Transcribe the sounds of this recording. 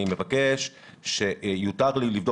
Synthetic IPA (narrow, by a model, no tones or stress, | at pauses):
imevake̞ʃ | ʃejutaʁlilivdo